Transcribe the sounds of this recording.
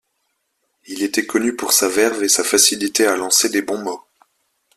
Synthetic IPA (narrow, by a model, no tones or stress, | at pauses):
ilet̪ɛkʰɔnypuʁsavɛʁvesafasilit̪ealɑ̃sed̪ebɔ̃mɔ